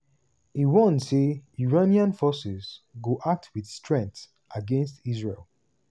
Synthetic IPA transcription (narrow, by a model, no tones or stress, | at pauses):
iwɔ̃nseuɹaniãnfɔsɪzɡoʔak̚tʰwiθstʰɹɛ̃nθ | ʔaɡɛ̃nstizɹelˠ